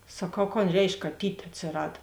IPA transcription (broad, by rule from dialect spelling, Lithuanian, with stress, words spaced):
sɐˈkɐʊ koːn ˈrʲɛɪʃk kɐˈtʲiːtʲ ɐtʲsʲɪˈrɐt